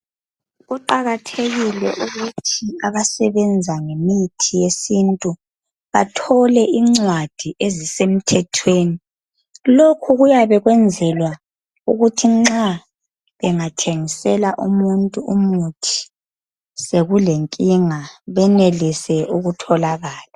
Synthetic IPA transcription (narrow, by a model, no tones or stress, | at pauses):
ɣuǃaɣatʰeɣilɛʔuɣutʰiaβasɛβɛnd͡zʱaŋemitʰijesintʼu | βatʰɔlɛʔiŋ͡ǀwad̥ʱiʔezisem̩tʰɛtʰweːni | lokʰuɣujaβɛɣwɛnd͡zʱɛlwa | uɣutʰiŋ͡ǁa | βɛŋatʰeŋisɛlaʔumuntʼuumutʰi̥ | seɣuleŋkʼiŋaβɛnelisɛʔuɣutʰɔlaɣaːla